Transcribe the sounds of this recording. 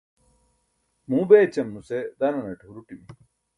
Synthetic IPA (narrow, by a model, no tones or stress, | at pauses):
muːbeːt͡ɕɐmnused̪ɐnɐnɐʈɦuɾuʈimi